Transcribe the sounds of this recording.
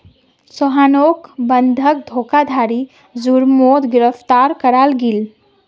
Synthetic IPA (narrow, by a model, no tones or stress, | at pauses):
sɔɦaːnoːkbənd̪ʱək̚d̪ʱoːkad̪ʱaːɾi | zuɾmoːd̪ɡɪɾəpt̪aɾkəɾaːlɡil